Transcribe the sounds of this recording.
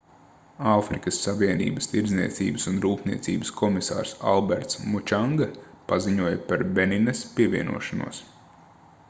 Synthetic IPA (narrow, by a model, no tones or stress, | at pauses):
afɾikəsːaʋiɛnḭːbəst̪iɾdzniɛt̪sḭːbəsunɾuːpnḭɛt̪sḭːbəskʰɔmisa̰ːɾsa̰lˠbɛɾt̪smut͡ʃaŋɡapaziɲuɔjapaɾbeninespiɛviɛnṵɔʃanṵɔːs